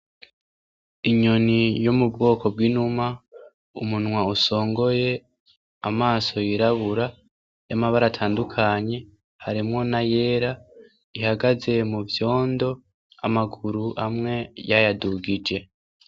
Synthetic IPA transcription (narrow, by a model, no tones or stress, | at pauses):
iɲo̞nijomubɡo̞ːko̞b̚ɡinuma | umunwauso̞ːŋɡo̞je̞ | amaːso̞jiɾaβuɾa | jamaβaɾatʰaːndukʰaɲe̞ | haɾimŋo̞naje̞ːɾa | ihaɡaze̞muvjo̞ːndo̞ | amaɡuɾuʔamŋe̞jajaduɡid͡ʒe̞